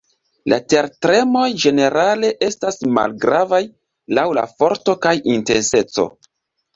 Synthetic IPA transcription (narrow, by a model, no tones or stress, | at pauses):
la̰te̞ɾtɾe̞mo̞jd͡ʒe̞ne̞ɾale̞ʔe̞stasma̰lɡɾavaj | lawla̰fo̞ɾto̞kajinte̞nse̞t͡so̞̰